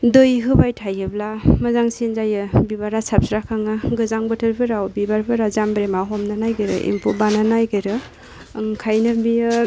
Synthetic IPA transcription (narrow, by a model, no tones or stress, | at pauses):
dɯjɦɯbajtʰajɯblamazaŋsinzajɯbibaɾasap̚sɾakʰaŋɯɡɯzaŋbɯtʰɯɾpʰɯɾawbibaɾbʰɯɾazambɾemaɦɔmnanajɡɯjɾɯ̰ʔḭmpʰubananajɡɯɾɯ | ŋkʰajnɯbiɯ